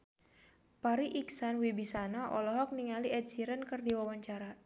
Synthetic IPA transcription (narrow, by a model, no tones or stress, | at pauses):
paɾiʔiksanwibisanaʔɔlɔɦɔk̚niŋaliʔɛdsiɾənkɨrdiwawaɲt͡ʃaɾa